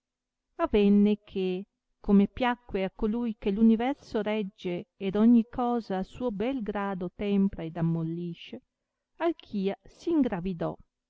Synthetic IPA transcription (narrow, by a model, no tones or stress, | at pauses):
avɛnːekʰe | komepjakːweakːolujkelunivɛrsoɾɛd͡ʒːeːd̪ɔɲːikɔːzaːsuːobɛlɡɾaːd̪ot̪ɛmpɾaed̪amːolːiʃe | alkʰiːasiːŋɡɾavid̪ɔ̰